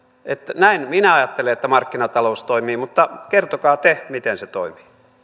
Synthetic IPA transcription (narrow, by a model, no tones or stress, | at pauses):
ʔet̪næinminæɑjɑt̪ːeleet̪ːæmɑrkːinɑt̪ɑloust̪oimiːmut̪ːɑkert̪okɑːt̪emit̪enset̪oimi̥ː